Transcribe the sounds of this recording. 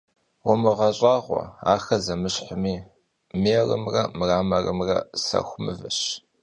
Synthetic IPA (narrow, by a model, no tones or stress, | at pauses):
wʊmɨʁɐɕʼaːʁʷɔ̰aːxɐzɐmɨɕħʊmiː | meːrɨmrɐmraːmɐrɨmrɐsɐ̰xʷʊmɨ̰vɨɕ